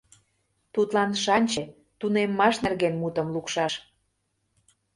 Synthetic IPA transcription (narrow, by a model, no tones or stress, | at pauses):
t̪ut̪lɑnʃɑnʲt͡ɕe | t̪unemːɑʃnerɣenmut̪ə̆mlukʃɑʃ